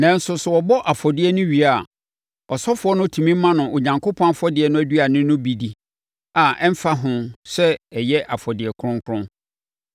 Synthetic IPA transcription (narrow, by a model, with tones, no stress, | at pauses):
nã˨n̩˦sʊ˨sʊ˨wɔ˨bɔ˦ʔa˨fɔ˨dɪ˦ɛ˦nʊ̃˦ɥi˨a˨ | ɔ˨sɔ˦fʊ˨˦ɔ˦nʊ̃˦tʰu˨mĩ˦mːã˦nʊ̃˨ʔo˨ɲã˨ŋkʰo˦pʰɔ̃˦n˦fʊ˦ɔ˦dɪ˨ɛ˨nʊ̃˦æ˦dɥa˨nɪ̃˦nʊ̃˦bi˨di˨ | a˨ɛ̃˦m̩˦fa˦ɦʊ̃˦sɛ˦ɛ˨jɛ˦ʔa˨fɔ˨dɪ˨ɛ˨kʰʊ˦ɾʊ̃˦ŋkʰʊ˦ɾʊ̃˦n